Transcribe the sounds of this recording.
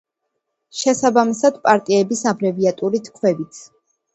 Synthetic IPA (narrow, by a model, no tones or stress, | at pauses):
ʃɛsabamisad̪̥pʼaɾt̪ʼiɛbisabɾɛviat̪ʼuɾit̪ʰkʰwɛvit̪sʰ